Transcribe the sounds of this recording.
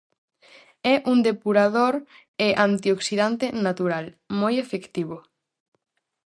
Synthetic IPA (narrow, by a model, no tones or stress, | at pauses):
ɛʔuŋd̪epuɾaðoɾ | eʔant̪ioksiðant̪enat̪uɾal | mojefekt̪iβo